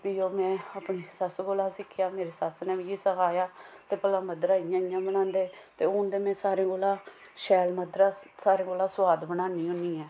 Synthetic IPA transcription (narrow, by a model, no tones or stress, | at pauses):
pioːmɛ̃ːapɳiːsəsɡoːlaːsɪkʰːjaːmeːɾeːsəsneːʋiːiːsəkaːjaːt̪eːpəlãːməd̪ɾaːɪjãːɪjãːbənãːnd̪eːt̪eːʊːnd̪eːmɛ̃ːsaːɾẽːɡoːlãː | ʃɛːlməd̪ɾaːsaːɾẽːɡoːlãːsʋaːd̪bənãːniːɦʊniːɛː